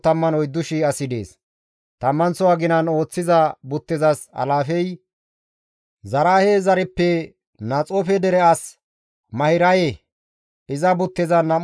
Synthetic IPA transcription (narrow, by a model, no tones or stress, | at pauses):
t̪ɐmːɐnɔjd̪ːʊʃɪɐsɪd̪ḛːs | t̪ɐmːɐnsɔwaːɡɪnɐno̞ːt͡sːɪzɐbʊt̪ːɪzɐsɐ̰laːfɛj | zɐɾaːheːzɐɾɛpːɛ | nɐt͡sʼɔfɛd̪ɛɾɛɐs | mɐhɪɾɐje | ɪzɐbʊt̪ːɪzɐnɐm